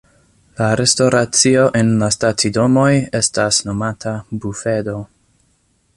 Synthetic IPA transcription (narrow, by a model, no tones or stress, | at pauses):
laɾe̞stoɾat͡sio̞ʔe̞nlastatido̞mo̞je̞stasno̞matʰabufe̞do̞